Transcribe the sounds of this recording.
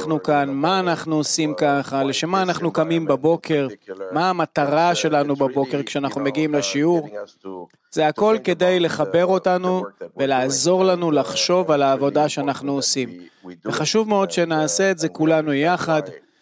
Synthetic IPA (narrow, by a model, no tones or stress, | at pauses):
nukanmaːnaχnuosimkaχaleʃemaːnaχnukamimbabo̞kʰe̞ʁmaːmat̪aʁaʃe̞lanubabo̞ke̞ʁkʃeanaχnume̞ɡiimleʃiuʁ | z̥eako̞lke̞dejle̞χabe̞ʁo̞tanuve̞laːzo̞ʁlanulaχʃo̞valaːvo̞daʃeanaχnuosimveχaʃuvmeo̞dʃe̞naːseːtze̞kulanujaχad